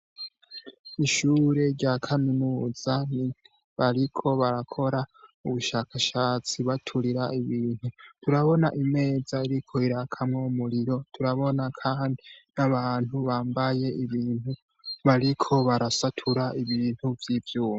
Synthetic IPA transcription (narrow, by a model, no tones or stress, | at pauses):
iʃuːɾe̞ɾɟakʰaminuːzani | βaɾikʰo̞βaɾakʰo̞ɾauβuʃaːkʰaʃaːt͡siβatʰuɾiɾaiβiːn̥hutʰuɾaβo̞naʔime̞ːzaiɾikʰo̞iɾakʰamŋomuɾiɾo̞tʰuɾaβo̞nakʰaːndinaβaːn̥huβaːmbaje̞iβiːnhu | βaɾikʰo̞βaɾasatʰuɾaʔiβiːn̥huvjivjuːma